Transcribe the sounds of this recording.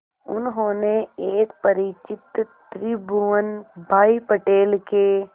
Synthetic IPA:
ʊ̰nɦõːneeːkpəɾɪt͡ʃɪt̪t̪ɾɪbuʋənbʱaːipəʈeːlke

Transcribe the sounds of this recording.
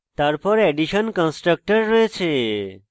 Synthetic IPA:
t̪aɾpɔɾɛɖiʃənkə̃nsʈɾək̚ʈəɾːəɦet͡ʃʰe

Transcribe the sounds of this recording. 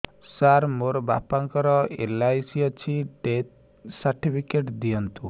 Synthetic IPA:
saɾmoɾba̰paŋkɔɾɔḛlajsiɔt͡ʃʰiɖet̪̚ | saɾʈipʰikeʈd̪iɔnt̪u

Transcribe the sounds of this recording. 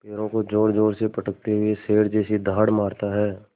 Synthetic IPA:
peːɾõkod͡ʒoːɽd͡ʒoːɽsepəʈək̚t̪eɦʊeseːɽd͡ʒɛːsid̪ʱaːɽmaːɾt̪aɦɛː

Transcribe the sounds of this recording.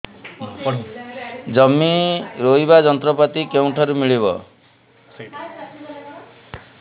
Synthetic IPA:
d͡ʒʌmːiɾoibad͡ʒɔnt̪ɾɔpat̪ikewɳʈʰɔɾumiɭibɔ̰

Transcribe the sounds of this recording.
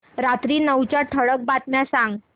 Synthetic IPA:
ɾat̪ɾiːnəwt͡ɕjaʈʰəɽək̚bat̪mjasãŋɡ

